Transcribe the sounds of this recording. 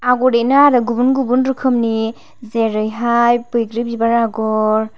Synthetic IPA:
aɡɔɾenaɾɯɡubunɡubunɾɯkʰɯmni | zeɾɯjɦajpɯjɡɾibibaɾaɡɔɾ

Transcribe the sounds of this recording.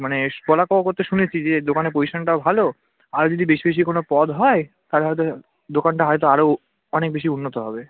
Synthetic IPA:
manepɔlakɔokoɾt̪eʃunet͡ɕʰid͡ʑed̪okanepojʃanʈaobʱalo | aɾd͡ʑod̪ibeʃibeʃ̬ikonopɔd̪ɦɔe | t̪aleɦɔjt̪o | d̪okanʈaɦɔjt̪oaɾo | ɔnek̚beʃiunːot̪oɦɔbe

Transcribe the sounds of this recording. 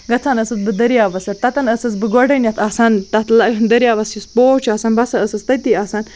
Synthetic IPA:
ɡɐt͡sʰanɐsɨsbɨd̪ɐɾijaːʋɐsɐɾt̪ɐt̪ɐnɐsɐs̬bɨɡoɖɐnʲjɐt̪asɐnt̪ɐt̪lɐɨnd̪ɐɾjaːʋɐsispoːt͡ʃʰaːsɐnbɐsɐəsɐst̪ɐt̪iaːsɐn

